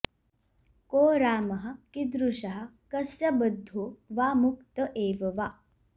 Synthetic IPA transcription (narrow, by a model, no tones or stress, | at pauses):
koːɾaːmɐɦɐ̆kid̪ɾuʃɐɦɐ̆kɐsjɐbəd̪ʱːoːʋaːmukt̪ɐʔeːʋɐʋa